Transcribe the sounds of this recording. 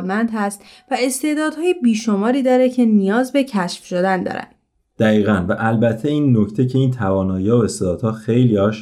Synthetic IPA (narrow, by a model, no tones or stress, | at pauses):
d̪mænd̪hæst̪ | væe̞st̪e̞ːd̪ɒːd̪̥hɒːjebiːʃo̞mɒːɾiːd̪ɒːɾe̞cʰe̞nijɒːzbe̞cʰæʃfʃod̪ænd̪ɒ̰ːɾæ̰n | d̪̥æɣiːɣænvæʔælbæt̪ʰːeiːnːoct̪ʰecʰe̞iːnt̪ʰævɒːnɒːjiɒːoest̪eːd̪ɒːd̪hɒːxejliɒːʃ